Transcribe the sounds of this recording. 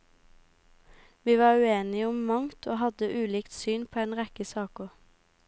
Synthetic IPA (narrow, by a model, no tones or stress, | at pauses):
ʋiːʋɑːʁʉeːnɪʊmmɑŋt̪ʰoːhɑd̪əʔʉːliːkt̪syːnpʰoːeːnʁɛkəsɑːkʊ